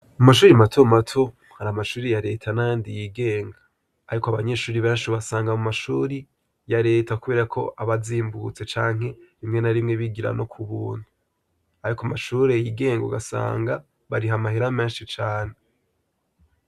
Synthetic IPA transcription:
amaʃuːɾimatʰomatʰo | haɾamaʃuːɾijaɾe̞ːtʰanaandijiɡe̞ːŋɡaː | ɾikoaβaɲe̞ːʃuːɾiβeːnʃiβasaːŋɡamumaʃuːɾi | jaɾe̞ːtakuβe̞ːɾakʰo̞̰ʔaβaziːmbut͡se̞t͡ʃaːŋ̥he̞ɾimŋe̞naɾimŋe̞βiɡiɾa̰no̞kʰuβuːnu | aɾikoamaʃuːɾe̞jiːɡe̞ːŋɡṵɡasa̰ːŋɡa | βaɾiɦamahiɾameːnʃit͡ʃaːne̞

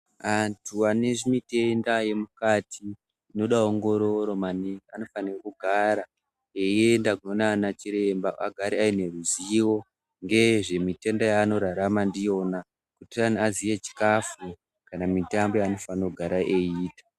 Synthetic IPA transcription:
antʰuane̞ʐimite̞ndaje̞mukatʰiː | no̞ɗaoŋɡo̞ɾo̞ɾo̞maniano̞fanirekuɡʱaɾa | e̞je̞ndaɡunonanat͡ʃiɾe̞mbaʔa̰ɡʱaɾiaine̞ruziwo̞ | ŋɡe̞ʐe̞mite̞ndajaːno̞ɾaɾamandijo̞na | kutianiazije̞t͡ʃi̥kafu | kanamitambo̞jaːno̞fanoɡʱaɾaʔeiːtḁ

